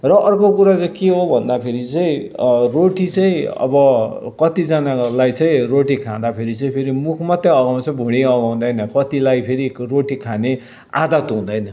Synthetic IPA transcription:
rʌʔʌrkokuɾat͡sʌkeɦobʱʌnd̪apʰeɾit͡sʌĩroʈit͡sʌĩʌ̰bʌkʌt̪id͡zanalajt͡sʌĩroʈikʰãd̪apʰeɾit͡sʌĩpʰeɾimukʰmʌt̪jeʌɡaw̃t͡sʰʌbʱuɽ̃iʌɡaw̃d̪ʌjnʌkʌt̪ilajpʰeɾiroʈikʰane | a̰d̪ʌt̪ɦũd̪ʌjnʌ

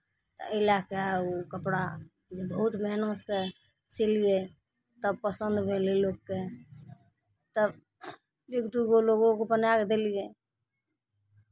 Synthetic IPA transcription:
t̪ə̰əilakaukəpɽa | d͡ʒebəɦut̪məɦnõse | t͡ʃilije | t̪əb̚pəsənd̪bʱelilokke | t̪əb | lekd̪uɡoloɡõkopənakd̪elije

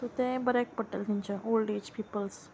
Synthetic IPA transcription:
t̪ot̪ẽbəɾɛk̚pəʈə̰lt̪iɲt͡ɕaʔolɖed͡ʑpiːpəls

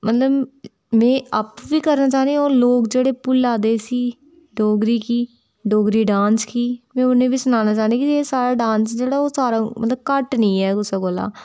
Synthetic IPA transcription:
mət̪ləb | mɛ̃ːəpʋiːkəɾnaːt͡ʃaːneoːloːkd͡ʒeːɽeːpʊlːaːd̪eːsiː | ɖoːɡɾiːkiː | ɖoːɡɾiːɖãːnskiːmɛ̃ːʊnẽːʋiːsʊnaːnaːt͡ʃaːnd̪eːkieːsaːɾaːɖãːnsd͡ʒeːɽaːoːsaːɾaːmə̰t̪ləb̚kəʈnĩːɛːkʊsaːɡoːla̰ː

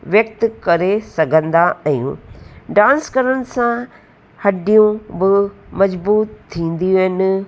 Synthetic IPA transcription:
ʋjɐk̚t̪kɐɾesɐɡʱə̃nd̪aɐjṵ̃ɖãːnskɐɾənɪ̆sã | hɐɖijũbɪmɐd͡ʑbuːt̪t̪ʰːĩːnd̪iɦɪnɪ

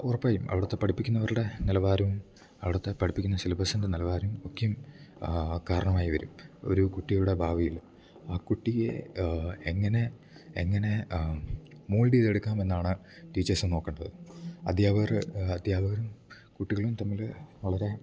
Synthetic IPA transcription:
urɐpːaːjumʔɐ̰ʋiɽɐt̪ːe̞pɐɽipːikʲːunːɐʋɐɾuɽe̞nilɐʋaːɾɐmum | ɐʋiɽɐt̪ːe̞pɐʈʰipːikʲːunːɐsilɐbɐsɐnd̪ɐnilɐʋaːɾumokːɐjum | kaːɾɐɳɐmaːjiʋɐɾumo̞̰ɾukuʈːijuɽe̞bʱaːʋijiɭ | aːkuʈːiɣe | eŋːɐne̞ | eŋːɐne̞ | muːɭɖiːðeɽukːaːme̞nːaːɳɨ | ʈiːt͡ɕːɐrsɨno̞ːkːɐɳɖɐðɨɐ̰d̪ʱjaːbɐɐrɐd̪ʱjaːbɐɣɐɾum | kuʈːiɣɐɭumt̪ɐmːilʋɐɭɐɾe̞

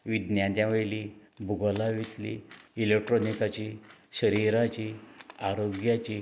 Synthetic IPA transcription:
ʋid̪njãt̪jãʋelibʱuɡolaʋit͡slḭːlek̚ʈɾonikat͡ɕiɕəɾiɾat͡ɕiːaɾoɡjat͡ɕiː

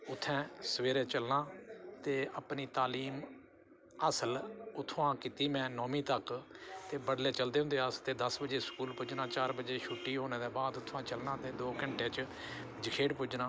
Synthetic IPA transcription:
ʊt̪ʰːɛ̃ːsəʋeːɾeːt͡ʃəlnãːt̪eːəpniːt̪aːliːm | əsəlʊt̪ʰːãːkit̪iːmɛ̃ːnɔːmĩːt̪əkt̪eːbəɽleːt͡ʃəld̪eːɦʊ̃nd̪eːəst̪eːd̪əsbəd͡ʒeːskuːlpʊd͡ʒnãːt͡ʃaːɾbəd͡ʒeːʃuʈːiːɦoːneːd̪ɛːbaːd̪ʊt̪ʰːʋãːt͡ʃəlnãːt̪eːd̪oːkəɳʈẽːt͡ʃ | d͡ʒəkʰeːɖpʊd͡ʒnãː

